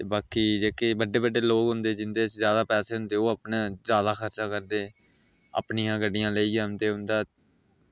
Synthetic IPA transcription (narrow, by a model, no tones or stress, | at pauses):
t̪eːbaːkiːd͡ʒeːkeːbəɖːeːbəɖːeːloːkɦʊ̃nd̪eːd͡ʒɪnd̪eːzjaːd̪aːpɛːseːɦʊ̃nd̪eːoːəpnãːzjaːd̪aːxʰəɾt͡ʃaːkəɾd̪eː | a̰pnɪjãːɡəɖɪjãːləiːaːnd̪eːɦʊ̃nd̪aː